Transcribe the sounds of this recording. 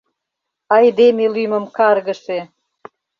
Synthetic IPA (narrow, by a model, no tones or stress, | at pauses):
ɑjd̪emelymə̆mkɑrɣə̆ʃe